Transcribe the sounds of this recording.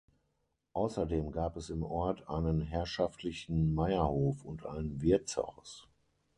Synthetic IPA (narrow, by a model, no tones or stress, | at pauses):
ʔaʊsɐdeːmɡaːpɛsɪmʔɔɐtʔaɪnənɦɛɐʃaftʰlɪçn̩maɪɐhoːfʊntʔa̰ɪnənvɪɐtt͡sa̰ʊs